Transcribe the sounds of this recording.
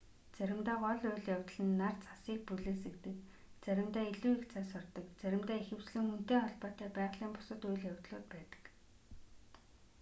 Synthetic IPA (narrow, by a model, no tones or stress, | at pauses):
t͡sæɾʲɪ̆mt̪aːqɔɮʊjɮjawʲt̪̆ɮɘ̆nːart͡sʰḁsiːk̚puɮɘ̆ːsɘ̆kt̪ɘ̆k | t͡sæɾʲɪ̆mt̪æːiɮuːikt͡sʰaːsɔrt̪ɞ̆kt͡sæɾʲɪ̆mt̪æːixɘ̆w̥t͡ɕɮɘ̆ŋxun̥t̪eːχɔɮpɔːt̪æːpæːʁɮiːmpʊ̥sə̆t̪ʊjɮjawʲt̪ɮʊːt̪̚pæːt̪ə̥̆k